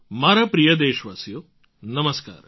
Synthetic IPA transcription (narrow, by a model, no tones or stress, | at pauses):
maːɾɐpɾijɐd̪eːʃʋaːsjoː | nɐmɐska̰ːɾ